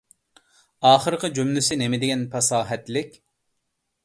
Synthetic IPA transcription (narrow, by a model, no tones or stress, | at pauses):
ɑːχəɾɨqəd͡ʒumlɪsɪnemɪd̪ɪɡʲɛnpʰɑsɑːɦɛt̪lɪkʲ